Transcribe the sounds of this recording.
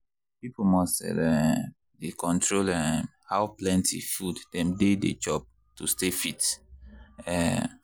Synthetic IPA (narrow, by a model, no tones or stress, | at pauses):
pipʰomɔstɛ̰lɛ | dekʰɔ̃ntʰɹolɛmhawplɛ̃ntʰḭfudd̥ɛ̃mdedḛd͡ʒɔb̚ | tustefit | ɛ